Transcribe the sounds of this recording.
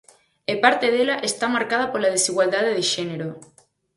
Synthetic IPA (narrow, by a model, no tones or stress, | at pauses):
epaɾt̪eð̞elaʔest̪amaɾkað̞apoɾlað̞esiɣwald̪aðeð̞eʃeneɾo